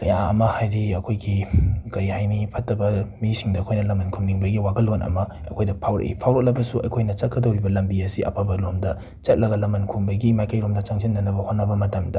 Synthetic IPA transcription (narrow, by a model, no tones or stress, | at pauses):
kɐjaɐ̰mɐhajdiɐkʰojɡikɐɾihajnipʰɐtːɐbɐmisiŋdɐɐkʰojnɐlɐmɐnkʰuŋniŋbɐɡiwaɡɐlːonʔɐ̰mɐ | ɐ̰kʰojdɐpʰawɾɐ̰ʔḭpʰawɾok̚lɐbɐsuʔɐ̰jkʰojnɐt͡ʃɐt̚kɐdɐwɾibɐlɐmbiɐsiʔɐ̰pʰabɐlomdɐ | t͡ʃɐt̚lɐɡɐlɐmɐnkʰuŋbɐɡimajkɐjɾomdɐt͡ʃaŋsʰinːɐnɐbɐhotnːɐbɐmɐtɐmdɐ